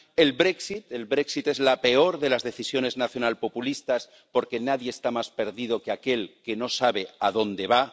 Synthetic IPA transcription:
e̞lβɾe̞ksit̪e̞lβɾe̞ksit̪e̞zlape̞o̞ɾðe̞lazðe̞θisjo̞ne̞znaθjo̞nalpo̞pulist̪as | po̞ɾke̞naðjeːst̪amaspe̞ɾðið̞o̞keake̞lke̞no̞saβe̞aðo̞nd̪e̞β̞a

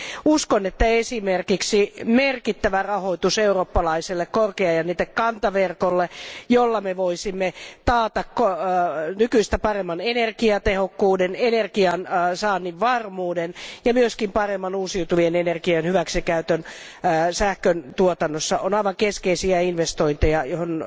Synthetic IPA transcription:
uskonet̪ːæesimerkiksimerkit̪ːæʋærɑhoit̪useuroːpːɑlɑiselːekkorkeɑjɑniːt̪ːekkɑnt̪ɑʋerkolːejolːɑmeʋoisimːet̪ɑːt̪ɑkkonykyist̪æpɑremːɑnenerkiɑt̪ehokːuːdenenerkiɑnsɑːnːiʋʋɑrmuːdenjɑmyøskimpɑremːɑnuːsiut̪uʋienenerkiɑnhyʋæksikæyt̪øn | sæhkønt̪uot̪ɑnːosːɑʔonɑiʋɑŋkeskeisiæinʋest̪oint̪ejɑjohon

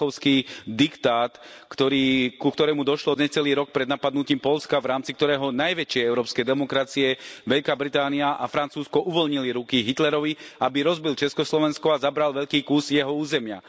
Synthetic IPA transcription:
ɔʊskiːd̪ikt̪aːt̪kt̪ɔɾiːkukt̪ɔɾɛːmud̪ɔʃlɔɲɛt͡sɛliːɾɔk̚pɾɛd̪napad̪nuciːmpɔlskaʋɾaːmt͡sikt̪ɔɾɛːɦɔnajʋɛt͡ʃɪɛɛʊɾɔːpskɛjd̪ɛmɔkɾat͡siɛʋɛʎkaːbɾit̪aːniaʔafɾant͡suːskɔʔuʋɔlɲiliɾukiɦit̪lɛɾɔʋiabiɾɔzbilt͡ʃɛskɔslɔʋɛnskɔazabɾalʋɛʎkiːkuːzjɛɦɔuːzɛmɪa̰

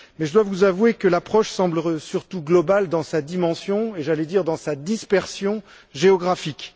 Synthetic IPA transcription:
mɛʒəd̪wavuzavwekəlapχɔʃsɑ̃blsyʁt̪uɡlɔbald̪ɑ̃sad̪imɑ̃sjɔ̃eʒalɛd̪iʁd̪ɑ̃sad̪ispɛʁsjɔ̃ | ʒeɔɡʁafik

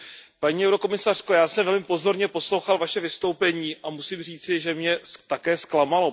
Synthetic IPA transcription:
paɲiːɛwɾo̞ko̞mɪsar̝̥kojaːsɛmvɛlmɪpo̞zo̞ɾɲɛpo̞slowxalvaʃɛvɪst̪owpɛɲiːʔamusiːmr̝iːt͡sɪʒɛmɲɛt̪akɛːsklamalo̞

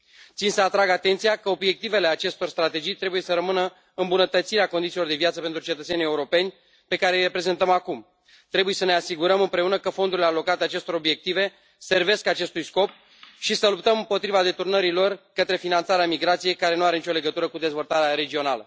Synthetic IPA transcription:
t̪sinsəat̪ɾaɡat̪e̞nt̪sijakəo̞bje̞k̚t̪ive̞le̞at͡ʃe̞st̪o̞rst̪ɾat̪e̞d͡ʒijt̪ɾe̞buje̞səɾəmɨnə | ɨmbunət̪ət̪siɾeakond̪it̪ilo̞rd̪e̞vjat̪səpent̪ɾut͡ʃet̪ət̪se̞nijeuɾo̞pe̞nʲ | pe̞kaɾejre̞pɾe̞ze̞nt̪əmakum | t̪ɾe̞bujesəne̞asiɡuɾəmɨmpɾe̞unəkəfo̞nd̪uɾile̞alo̞kat̪eat͡ʃe̞st̪o̞ɾo̞bje̞k̚t̪ive̞ | se̞rve̞skat͡ʃe̞st̪ujsko̞p | ʃisəlup̚t̪əmɨmpo̞t̪ɾivad̪e̞t̪urnəɾilo̞rkət̪ɾe̞finant̪saɾeamiɡɾat̪sijejkaɾe̞nuaɾe̞nit͡ʃo̞le̞ɡət̪uɾəkud̪e̞zvo̞lt̪aɾeaɾe̞d͡ʒio̞nalə

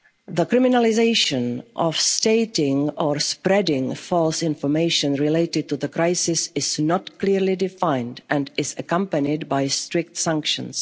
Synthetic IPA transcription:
ðəkɹɪmɪnəlɪzeɪʃə̃nʔɔfsteɪtɪ̃ŋɔɹspɹɛdɪ̃ŋfɔlˠsɪ̃ɱfɔɹmeɪʃə̃nɹɪleɪtɪd̚tuðəkɹaɪsɪsɪznɔtkliɹlidɪfãɪ̃ndʔɛ̃ndɪzəkʌ̃mpənɪdbaɪstɹɪk̚tsãŋkʃə̰̃ns

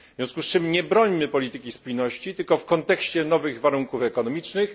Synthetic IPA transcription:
vvʲjɔ̃skust͡ʂɘmɲɛbɾɔɲmɘpɔlʲit̪ɘkʲispujnɔɕt͡ɕit̪ɘlkɔfkɔnt̪ɛkɕt͡ɕɛnɔvɘɣvaɾuŋkufɛkɔnɔmʲit͡ʂnɘx

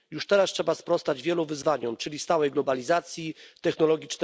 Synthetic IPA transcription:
juʂt̪ɛɾastʂɛbaspɾɔst̪ad͡ʑvʲjɛluvɘzvaɲɔmt͡ʂɘlʲist̪awɛjɡlɔbalʲizat̪sʲjit̪ɛxnɔlɔɡʲit͡ʂn

